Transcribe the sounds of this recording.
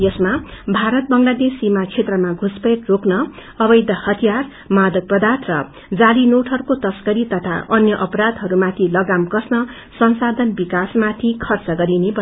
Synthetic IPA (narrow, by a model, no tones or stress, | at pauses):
jʌsmabʱaɾʌt̪̚bʌŋlad̪esːimat͡sʰet̪rʌmaɡʱuspʌkroknʌʌbʌjd̪ʱʌhʌt̪ʰijar | mad̪ʱʌk̚prʌd̪at̪ʰrʌ | d͡zalinoʈʰhʌɾukot̪ʌskʌɾit̪ʌt̪ʰa̰ʔʌnjʌʔʌpʌɾad̪ɦʌɾumat̪ʰilʌɡamkʌsnʌ | sʌnsad̪ʱʌnbikasmat̪ʰikʰʌrt͡sʌɡʌɾinebʌ